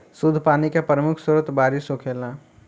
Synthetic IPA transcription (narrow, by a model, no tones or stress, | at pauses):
sʊd̪ʱpaːnikapɾəmʊkʰsʊɾət̪baːɾisɦokʰeːla